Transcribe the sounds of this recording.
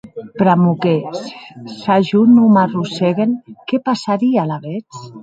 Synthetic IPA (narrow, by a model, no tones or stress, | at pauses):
pɾamukesːaʒunumaruseɣenkepasaɾialaβet͡s